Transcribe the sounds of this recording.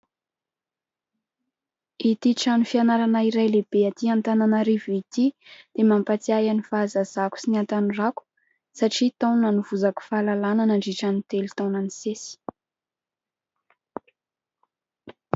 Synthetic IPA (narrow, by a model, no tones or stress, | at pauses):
it̪iʈ͡ʂanifianaɾanaiɾajleb̥eat̪iant̪ananaɾivit̪id̪̥emampat͡siajanifazaz̥aku̥sinant̪aniraku̥ | saʈ͡ʂit̪awnanuvuzaku̥falalananaɳɖ͡ʐiʈ͡ʂanit̪elit̪awnanisesi̥